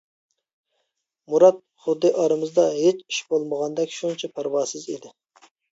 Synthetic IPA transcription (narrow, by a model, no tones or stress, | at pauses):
muɾɑt̪̚ | χʊd̪ːɨʔɑɾɨmɨzd̪ɑɦet͡ʃi̥ʃbolˠməʁɑnd̪ɛkʲʃuŋt͡ʃʰɛpʰæɾwɑːsɨzḭd̪ɪ